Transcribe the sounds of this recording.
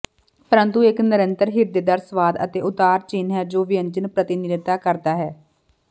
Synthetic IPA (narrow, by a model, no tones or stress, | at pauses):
pəɾə̃nt̪uɪknɪɾənt̪əɾɦɪɾd̪eːd̪aːɾsəʋaːd̪ə̰t̪eːʊt̪aːɾt͡ʃiːnɦɛːd͡ʒoːʋiənd͡ʒənpɾət̪ɪnɪnɪt̪aːkəɾd̪aːɦɛː